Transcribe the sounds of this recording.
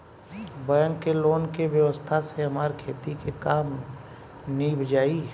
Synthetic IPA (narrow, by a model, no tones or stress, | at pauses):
bəjənkeloːnkeʋjəʋəst̪ʰaseɦɐmaːɾkʰeːt̪ikekaːm | nibʱəd͡ʒaːi